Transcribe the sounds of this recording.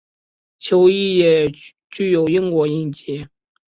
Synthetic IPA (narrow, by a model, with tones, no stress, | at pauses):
t͡ɕʰjo˧˥ʊi˥˩jɛ˨˩ | t͡ɕy˥˩jo˨˩ʊi˥ŋkwɔ˧˥i˥˩nt͡ɕɛ˧˥˦